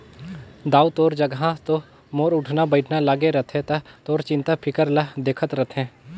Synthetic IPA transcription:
d̪aːut̪oːɾd͡ʒɐɡɦãt̪o | moːɾʊʈʰnabəɪʈʰnalaːɡeɾɐt̪ʰɦẽt̪ɐt̪oːɾt͡ʃɪ̃nt̪apʰɪkəɾlad̪eːkʰət̪ɾɐt̪ʰɛ̃ː

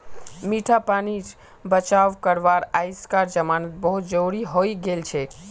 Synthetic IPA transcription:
miʈʰapani | bət͡ʃaʋkəɾʋaɾajskaɾd͡ʒəmanət̪̚bəɦut̪̚d͡ʒoɾiɦoiɡelt͡ʃʰɛ

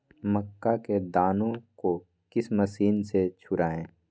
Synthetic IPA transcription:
məkːaked̪aːnõko | kɪsməsiːnset͡ʃʰʊɾaːẽː

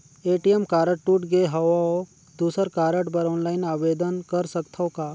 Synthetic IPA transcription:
eːʈijemkaːɾəʈ̚ʈuːʈɡeɦɐʋ | d̪uːsəɾkaːɾəʈbɐɾɔ̃ːnlaːɪnaːʋeːd̪ənkɐɾsəkt̪ʰɔ̃kaː

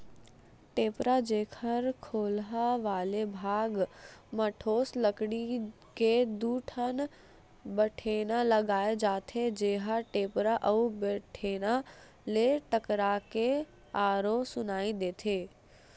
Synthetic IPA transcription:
ʈeːpɾad͡ʒeːkʰəɾkʰoːlɦaʋaːlebʱaːɡməʈʰoːsləkɽi | ked̪uʈʰən | bəʈʰeːnaləɡaːed͡ʒaːt̪ʰed͡ʒeːɦaʈeːpɾaʔəubeʈʰeːna | leʈəkɾake | aːɾosʊnaːĩd̪eːt̪ʰeː

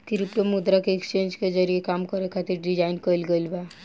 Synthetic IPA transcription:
k̪ɪɾɪpʈomud̪ɾakeekst͡ʃẽːnd͡ʒked͡ʒəɾiekaːmkəɾekʰat̪iɾɖɪd͡ʒaːɪnkəlɡəilba

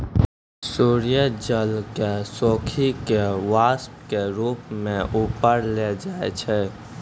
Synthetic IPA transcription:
suːɾijəd͡ʒəlkesoːkʰikeʋaːsp̚keɾuːpmẽʔuːpəɾled͡ʒaːḛt͡ʃʰɛ

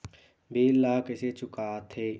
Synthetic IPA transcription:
beːlaːkɪset͡ʃʊkaːt̪ʰeː

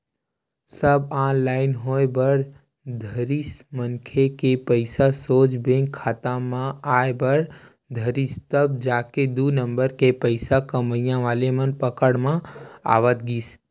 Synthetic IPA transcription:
səbãːnlaɪnɦoːebəɾ | d̪ʱəɾismənkʰekepəɪsasoːd͡ʒbẽŋkʰːaːt̪ãmãaːebəɽ | d̪ʱəɾist̪əbd͡ʒaːked̪uːnə̃mbəɾkepəɪsakəməijãʋaːlemənpəkəɽmãa̰ːʋət̪ɡiːs

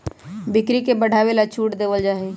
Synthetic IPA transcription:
bɪkɾikebəɽʱaːʋelat͡ʃʰuːʈd̪eːʋəld͡ʒaːe

